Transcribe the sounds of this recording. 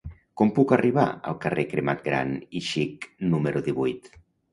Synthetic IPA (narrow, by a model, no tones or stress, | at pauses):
kompukariβ̞a̰ə̰lˠkarʔekɾemat̪̚ɡɾa̰niʃiknumeɾuðiβujt̪